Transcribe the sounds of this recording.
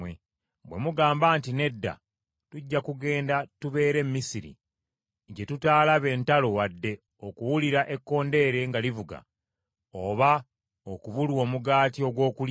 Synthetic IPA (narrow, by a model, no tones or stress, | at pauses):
e | bwe̞muɡaːmbaːntine̞dːa̰ | tuɟːakuɡe̞ːndatuβe̞ːɾe̞mːisiɾḭ | ɟe̞tutaːlaβe̞ːntalo̞wadːe̞ | o̞kuwuliɾaʔe̞kːo̞ːnde̞ːɾe̞ŋɡalivuɡa̰ | oβa | okuβulwo̞ːmuɡaːtio̞ɡwo̞ːkul